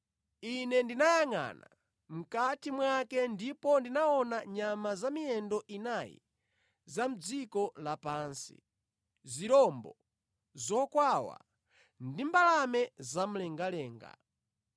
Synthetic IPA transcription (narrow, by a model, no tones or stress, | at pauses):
inɛndinajaŋa̰na̰ | m̩katimwakɛndipɔndinaɔnaɲamazamiɛndɔʔinajḭ | zam̩d͡zikɔlapansḭ | ziɾɔmbɔ̰ | zɔkwawa̰ | ndimbalamɛzam̩lɛŋɡalɛːŋɡa̰